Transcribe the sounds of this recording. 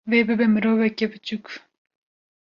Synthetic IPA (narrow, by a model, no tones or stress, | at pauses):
veːbɨbɛmɨɾoːvɛkʲɛbɨt͡ʃuk